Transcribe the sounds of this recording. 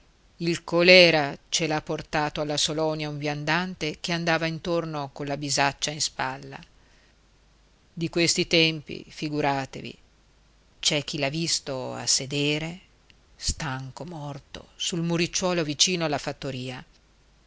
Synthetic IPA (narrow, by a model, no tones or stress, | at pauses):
ilkolɛːɾat͡ʃelapːort̪aːt̪oalːasolɔːnjauɱvjand̪ant̪ekeand̪aːvaint̪ornokolabizat͡ʃːainspalːa̰ | d̪ikwest̪it̪ɛmpḭfiɡuɾaːt̪evḭ | t͡ʃɛk̟ːilavist̪oa̰sːed̪eːɾe | st̪aŋkomɔrt̪o̰sulmuɾit͡ʃːwɔːlovit͡ʃiːnoalːafat̪ːoɾiːa